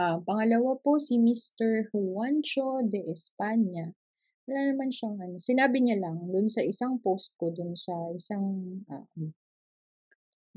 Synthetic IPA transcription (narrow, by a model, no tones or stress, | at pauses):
ʔapɐŋɐlɐwapo̞sɪmist̪ɛɹhʊwant͡ʃo̞d̪ɛʔɛspaɲɐ | wɐlaːnɐmanʃɐŋʔɐno̞sɪnaːbɪɲalɐŋd̪ʊnsɐʔɪsaŋpowst̪̚kod̪ʊnsɐʔɪsaŋʔa̰ːʔo